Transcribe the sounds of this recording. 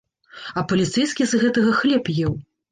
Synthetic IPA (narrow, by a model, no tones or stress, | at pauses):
ɐpɐlʲit̪sɛjskʲizɣɛt̪ɐɣɐxlʲɛpjɛw